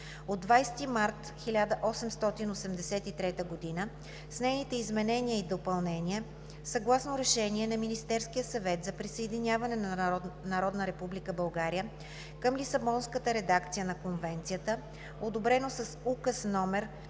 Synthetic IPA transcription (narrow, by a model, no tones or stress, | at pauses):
od̪ːvajst̪imaɾt̪ | xilʲad̪əʔɔsɛmst̪ɔt̪inosɛmd̪ɛsɛt̪it̪ɾɛt̪əɡod̪inə | snɛjnit̪ɛizmɛnɛniəid̪opɐlˠnɛnʲiə | sɐɡlˠasnoɾɛʃɛniɛnɐminist̪ɛɾskijəsɐvɛt̪zɐpɾisəɛd̪inʲavɐnɛnnɐɾɔd̪nəɾɛpublikəbɐlˠɡaɾijə | kəmlisɐbɔnskət̪əɾɛd̪akt̪sijənɐkonvɛnt̪sijət̪ə | od̪obɾɛnosɐsukəsnɔmɛɾ